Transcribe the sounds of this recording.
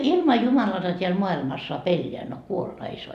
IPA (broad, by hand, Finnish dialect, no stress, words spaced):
ilmɑ jumɑlɑtɑ teæl moɑilmɑs soɑp elːeæ no kuolːɑ ei soɑ